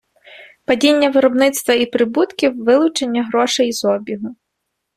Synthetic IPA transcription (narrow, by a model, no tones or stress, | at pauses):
pɐdʲinʲːɐʋɪɾɔbnɪt̪st̪ʋɐipɾɪbut̪kʲiwʋɪlˠʊt͡ʃenʲːɐɦɾɔʃɛjizɔbʲiɦʊ